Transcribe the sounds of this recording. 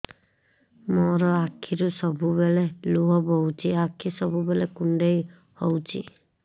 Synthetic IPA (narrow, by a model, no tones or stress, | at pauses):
mɔɾɔakʰiɾusɔbubeleluɦɔbɔwt͡ʃʰiakʰisɔbubelekuɳɖej | howt͡ʃʰḭ